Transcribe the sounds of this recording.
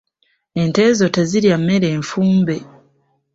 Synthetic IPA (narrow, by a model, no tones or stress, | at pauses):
e̞nte̞ːzoteziɾjamːe̞ɾe̞ːɱfuːmbe̞